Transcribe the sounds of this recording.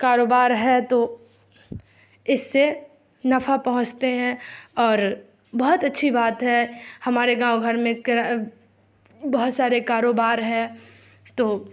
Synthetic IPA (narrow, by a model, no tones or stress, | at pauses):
kaːɾoːbaːɾɦɛt̪oː | ɪsːe | nɐfapɐɦʊ̃t͡ʃt̪eɦɛ̃ɔːɾ | bɐɦʊt̪ɐtːʃʰibaːt̪ɦɛhɐmaːɾeɡãːõɡʱɐɾmẽkɾ | bɐɦʊt̪saːɾekaːɾoːbaːɾɦɛ̃ | t̪oː